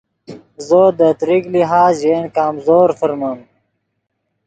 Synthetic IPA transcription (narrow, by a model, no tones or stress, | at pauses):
zoːd̪ət̪ɾiɡliɦaːzʑeːnkaːmzoːɾfəɾmɐm